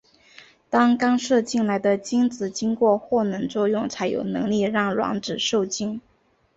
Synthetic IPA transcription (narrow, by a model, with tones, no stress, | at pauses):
t̪ɑ˥ŋkɑ˥ŋʂɤ˥˧t͡ɕi˥˩nla˧˥ɪd̪ə˧t͡ɕi˥ŋt͡sɹ̩˨˩t͡ɕi˥ŋkwɔ˥˧xwɔ˥˩nɤ˧˥ŋt͡swɔ˥˧jʊ˥˩ŋt͡sʰa˧˥ɪjo̰˨˩ʊnɤ̰˧˥ŋli˥˧ɻɑ˥˩ŋlwɑ̰˧˥ŋʈ͡ʂɻ̩˨˩ʂo˥˩ʊt͡ɕi˥ŋ